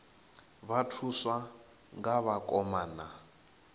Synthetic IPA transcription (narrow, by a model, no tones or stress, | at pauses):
βatʰusa | ŋɡaβakʼɔmaːna